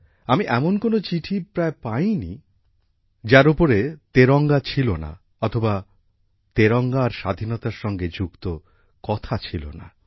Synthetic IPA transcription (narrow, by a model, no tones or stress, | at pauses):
amiʔɛmonkonot͡ɕiʈʰipɾaepajni | d͡ʑaɾupoɾet̪eɾɔŋɡat͡ɕʰilona̰ | ɔt̪ʰoba | t̪eɾɔŋɡaɾʃad̪ʱinɔt̪aɾʃɔŋɡed͡ʑukt̪o | kɔt̪ʰat͡ɕʰilo̰na̰